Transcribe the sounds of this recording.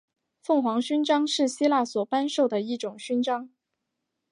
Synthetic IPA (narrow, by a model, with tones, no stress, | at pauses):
fɤ˥˩ŋxwɑ˧˥ŋɕy˥nʈ͡ʂɑ˥ŋʂɻ̩˥˩ɕi˥la˥˩swɔ˨˩pa˥nʂo˥˩ʊd̪ə˩i˥˩ʈ͡ʂʊ˨˩ŋɕy˥nʈ͡ʂɑ˥ŋ